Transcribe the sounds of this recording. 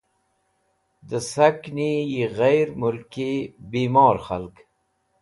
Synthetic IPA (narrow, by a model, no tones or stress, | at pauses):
d̪əsaknijiɣajɾmʊlkibiːmɑːɾxalk